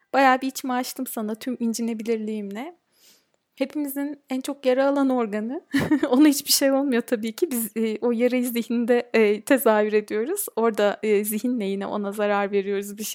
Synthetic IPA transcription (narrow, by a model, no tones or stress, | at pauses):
b̥ajaːbiit͡ʃʰmɛaʃt̪ʰɯmsanat̪ʰymind͡ʒinɛbilʲiɾlʲijimnɛ | he̞pʰimizinænt͡ʃʰo̞kjaɾaːlˠano̞ɾɡanɯo̞nahit͡ʃbiʃe̞jo̞lˠmujo̞t̪ʰabiːcʰibizo̞jaɾajɯzihind̪ɛːt̪ʰe̞zaːvyɾe̞d̪ijo̞ɾuz̥o̞ɾd̪aɯːziɦinːejinɛ̰ʔo̞̰nazaɾaɾve̞ɾijo̞ɾuzbiʃ